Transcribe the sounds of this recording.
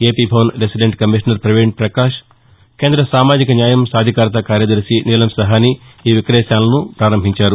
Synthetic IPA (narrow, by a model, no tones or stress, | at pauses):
eːpiːbʱɐwnɾesiɖeɳʈkɐmiʃnɐɾpɾɐʋeɳʈ̚pɾɐkaːʃ | ke̞ːnd̪ɾɐsaːmaːd͡ʒikɐnjaːjɐmsaːd̪ʱikaːɾt̪ɐkaːɾjɐd̪ɐɾsiniːlɐmsɐɦaːniːʋikɐɾɛːʃaːnlɐnupɾaːɾɐmbʱiɲt͡ʃaːɾu